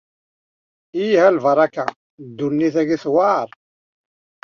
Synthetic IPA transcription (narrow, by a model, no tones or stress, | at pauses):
ijhælvəɾˤɑka | d̪ːunːiθæɡiθwɑɾˤ